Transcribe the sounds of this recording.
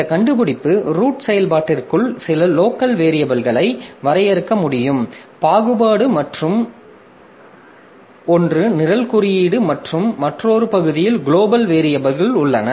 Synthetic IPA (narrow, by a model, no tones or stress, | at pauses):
ɪnd̪ɐkɐɳɖɯpɯɽɪpːɯɾuːʈsɛjɐlpaːʈːɪrkɯɭsɪlɐloːkɐlʋeːɾɪjɐbɐlɣɐɭɐɪʋɐɾɐjɛɾɯkːɐmʊɽɪjɯm | paːɣɯbaːɽɯmɐʈrɯm | ɔndrɯnɪɾɐlkʊɾɪjiːɽɯmɐʈrɯmːɐʈroːɾɯpɐɣɯðɪjɪlɡɪɭoːbɐlʋeːɾɪjɐbɐɾɣɐɭʊɭːɐnɐ